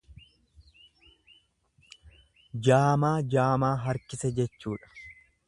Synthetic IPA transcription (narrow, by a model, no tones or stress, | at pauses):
d͡ʒaːmaːd͡ʒaːmaːɦɐɾkɪsɛd͡ʒɛt͡ʃːuːᶑɐ̥